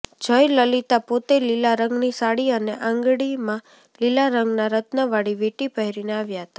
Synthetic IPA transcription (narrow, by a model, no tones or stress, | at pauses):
d͡ʒəjləlit̪apot̪elilaɾəŋɡnisaɽiəneʔãŋɡɽimã | lilaɾəŋɡnaɾət̪nəʋaɽiʋiʈipəɦiɾineaʋjaɦət̪ḁ